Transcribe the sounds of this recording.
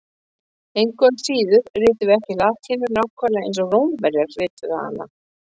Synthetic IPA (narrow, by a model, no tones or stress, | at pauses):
ejŋkɔnsiːðʏɾ̥rɪːt̪ʏvɛhcɪlḁːt̪ʰɪnʏɾnawkʰvaɾlaḛ̃jnsɔrowmvɛɾjaɾ̥vɪːt̪ʏðaha̰nːa̰